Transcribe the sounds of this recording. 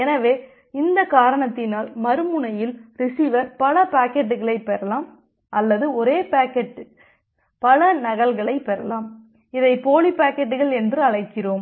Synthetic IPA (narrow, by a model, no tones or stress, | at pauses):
ɛnɐʋeː | ɪnd̪ɐkaːɾɐɳɐt̪ːɪnaːlmɐɾɯmɯɳɐjɪlɾɪsiːʋɐɾpɐlɐpaːkːɛʈ̬ːɯɣɐɭɐɪpːɛɾɐlaːm | ʔɐlːɐðɯɔɾeːpaːkɛʈːɯ | pɐlɐnɐɣɐlɣɐɭɐɪpɛɾɐlaːm | ɪðɐɪpoːlipaːkɛʈːɯɣɐɭɛndrɯɐɭɐɪkːɪroːm